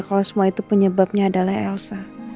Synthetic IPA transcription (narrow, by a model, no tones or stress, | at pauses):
kalawsəmuait̪upəɲəbap̚ɲaːdalahɛlsa